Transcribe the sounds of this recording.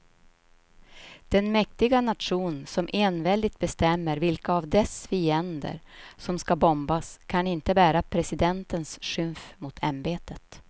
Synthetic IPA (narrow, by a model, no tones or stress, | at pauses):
d̪̥ɛnmɛk̚t̪ɪɡanat̪ɧuːnsɔmʔeːnvɛld̪ɪt̪̚bɛst̪ɛmːəɾvɪlkaːvd̪ɛsfiːɛnd̪ə̰ɾsɔmskabɔmbaskʰanɪnt̪əbæːɾapʰɾɛsɪd̪ɛnt̪ənsɧɵmfmʊt̪ʰa̰mbeːt̪ət̪